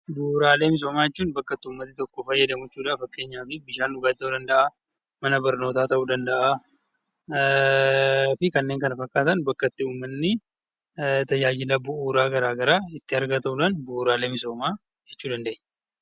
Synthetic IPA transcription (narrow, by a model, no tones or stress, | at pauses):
buːɾaːle̞ːmɪs̬o̞ːmaːjɛt͡ʃːuːnbɐkːɐt̪ːɪuːmːɐt̪ːɪt̪ɔkːɔfɐjːɐd̪ɐmʊɛt͡ʃːuːᶑafɐkːe̞ːɲːaːfɪbɪʃaːnːʊɡad̪ɐd̪ɐnd̪ɐʔa | mɐnɐbɐɾno̞ːt̪aːt̪ɐʔuːd̪ɐnd̪ɐʔa | fɪkɐnːeːŋkɐnɐfɐkːaːt̪ɐnbɐkːɐt̪ːɪuːmːɐnːɪ | t̪ɐjːaːd͡ʒɪlɐbʊʔuːɾaːɡɐɾaːɡɐɾaːɪt̪ːɪɐɾɡɐt̪ɐʊlaːnbuːɾaːle̞ːmɪso̞ːmaː | d͡ʒɛt͡ʃːuːd̪ɐnd̪eʔɲː